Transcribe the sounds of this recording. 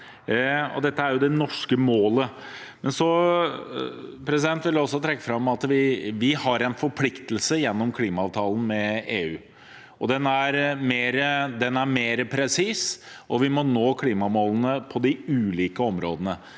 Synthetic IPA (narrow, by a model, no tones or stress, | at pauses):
ɔ̰d̪ɛt̪ːəæɾjʊd̪ɛnɔʂkəmoːlə | mɛnsɔ | pʰɾɛs̬ɪd̪ɛnt̪ʋɪlɔsːɔt̪ʰɾɛkːəfɾɑmɑt̪ʋɪʋɪhɑɾɛɪnfɔɾpʰlɪkt̪əlsəjɛnːɔmkʰliːmɑɑːʋt̪ʰɑːlən̩mɛeːʉː | ʔɔd̪ɛnæɾmeːɾəd̪ɛnæɾmeːɾəpʰɾɛsiːsʔɔʋɪmɔnoːkʰliːmɑmoːlnəpʰɔd̪ɪʉːliːkəɔmɾo̰ːd̪ənə